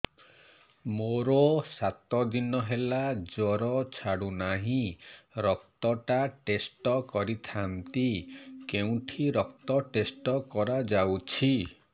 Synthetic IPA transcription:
moɾɔsat̪ɔd̪inɔɦelad͡ʒɔɾɔt͡ʃʰaɽunaɦĩɾɔk̚t̪ɔʈaʈesʈɔkɔɾit̪ʰant̪ikeũʈʰiɾɔk̚t̪ɔʈesʈɔkɔɾad͡ʒawt͡ʃʰi

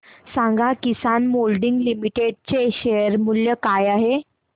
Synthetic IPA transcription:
sãŋɡʱakisanmolɖiŋɡlimiʈeɖ̚t͡seɕejəɾmuljəkajaɦe

